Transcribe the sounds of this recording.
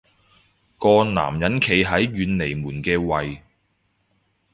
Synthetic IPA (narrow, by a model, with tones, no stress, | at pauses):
kɔː˧na̰ː˨˩mjɐ˨˥nkʰe˨˩jɦɐ˨˥jɥyː˨˧nle˨˩jmuː˨˩nkɛː˧wɐ˨j